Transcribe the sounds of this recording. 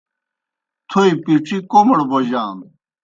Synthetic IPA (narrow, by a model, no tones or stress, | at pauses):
t̪ʰoipiʈ͡ʂʰikomɐɽbod͡ʑaːn